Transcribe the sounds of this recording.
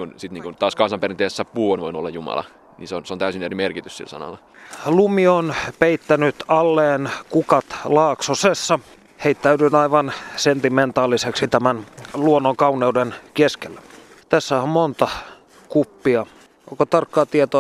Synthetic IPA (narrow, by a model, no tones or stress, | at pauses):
kunsit̪niːŋkunt̪ɑːskɑnsɑmperint̪eːsesːæpuonʋoino̰lːɑ̰jumɑ̰lɑ̰ | nḭnseonseont̪æysinerimerkit̪yssḭlsɑ̰nɑ̰lːɑ | lumionpeit̪ːænyt̪ɑlːeːnkukɑt̪lɑːksosesːɑ | heit̪ːæydynɑiʋɑnsent̪iment̪ɑːlːiseksit̪æmænluonːoŋkɑuneudenkeskelːæ̥ | t̪æsːæommont̪ɑ | kupːiɑ | oŋkot̪ɑrkːɑːt̪iet̪o